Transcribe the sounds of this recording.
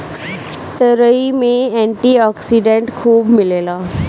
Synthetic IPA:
t̪əɾəimẽɛɳʈiɔːksiɖẽɳʈkʰuːbmɪlelaː

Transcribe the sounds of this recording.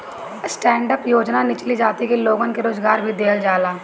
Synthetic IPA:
sʈɛ̃ːɳɖəpjoːd͡ʒnanɪt͡ʃlid͡ʒaːt̪ikeloːɡonkeɾoːzɡaːɾbʱid̪eːld͡ʒaːlaː

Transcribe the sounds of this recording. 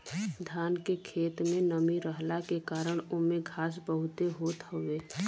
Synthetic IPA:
d̪ʱaːnkekʰeːt̪mẽnəmiɾəɦlakekaːɾəɽ̃ʊmẽɡʱaːs̬bəɦʊt̪eɦoːt̪ɦoʋeː

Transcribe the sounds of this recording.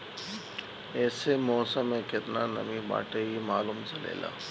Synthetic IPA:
ɛːsemɔːsəmẽkɪt̪nanɐ̰mĩba̰ːʈeɦimaːluːmsɐlḛːla̰ː

